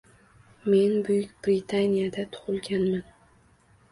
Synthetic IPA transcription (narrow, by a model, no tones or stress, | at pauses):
me̞nbʊjʊkʲb̥ɾit̪ʰanijad̪at̪ʰʊ̥ʁʊlˠɡʲanman